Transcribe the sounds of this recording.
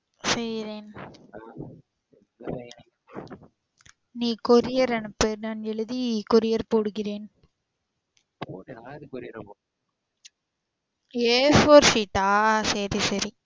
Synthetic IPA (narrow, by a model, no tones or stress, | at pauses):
sɛjɾeːn | niːkɔɾɪjɐɾɐnɯpːɯɾnaːnɛɭɯðikɔɾɪjɐɾpoːɽɯɣɪɾeːn | eːfoːɾsiʈːaːsɐɾisɐɾi